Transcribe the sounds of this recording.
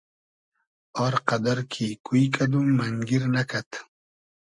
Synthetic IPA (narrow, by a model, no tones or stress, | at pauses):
ɔɾqad̪aɾkʰikuikad̪umːaŋɡiɾnakʰat̪